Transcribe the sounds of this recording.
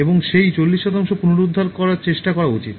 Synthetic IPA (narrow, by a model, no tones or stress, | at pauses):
eboŋʃejt͡ɕolːiʃːɔt̪aŋʃopunoɾud̪ʱːaɾkɔɾaɾt͡ɕeʃʈakɔɾaut͡ɕit̪